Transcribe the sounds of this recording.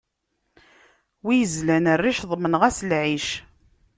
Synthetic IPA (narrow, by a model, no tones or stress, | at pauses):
wijəzlænərːiʃðˤmənʁæslʕiʃ